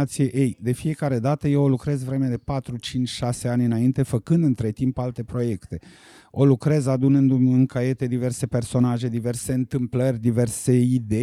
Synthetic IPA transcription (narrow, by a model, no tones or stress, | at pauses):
at̪sijeʔejd̪e̞fie̞kaɾe̞d̪at̪əjewolukɾe̞zvɾe̞med̪e̞pat̪ɾut͡ʃint͡ʃʲʃase̞anʲɨnaint̪e̞fəkɨnd̪ɨnt̪ɾe̞t̪impalt̪e̞pɾo̞je̞kt̪e̞ | o̞lukɾe̞zad̪unɨnd̪umɨŋkaje̞t̪ed̪ive̞rse̞pe̞rso̞naʒe̞d̪ive̞rse̞ɨnt̪ɨmplərʲd̪ive̞rse̞id̪e